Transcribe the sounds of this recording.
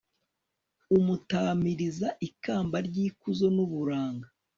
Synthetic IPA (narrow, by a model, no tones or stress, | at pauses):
umutaːmiɾizaʔikaːmbaɾɟiːkuzo̞nuβuɾaːŋɡa